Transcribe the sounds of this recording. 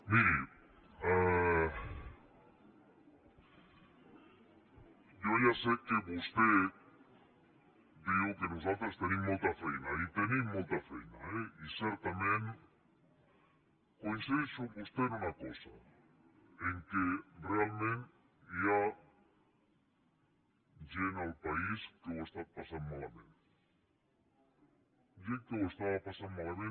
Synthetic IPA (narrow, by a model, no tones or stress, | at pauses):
miɾi | a | d͡ʒoʒasekeβost̪e | d̪iokenosat̪ɾost̪enĩmojt̪ɐfejnait̪enĩmojt̪afḛjnaeiseɾt̪amẽn | kojnsesʊβost̪eɾunɐkosɐ̰ | ẽŋkerealmẽnt̪ | ja | d͡ʒenalpaiskeowest̪apasaɾmalaβḛ̃n | d͡ʒekewest̪aβapasanmalaβẽ